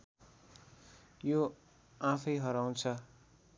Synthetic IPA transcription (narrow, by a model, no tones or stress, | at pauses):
jo | ãpʰʌjɦʌɾaw̃t͡sʰʌ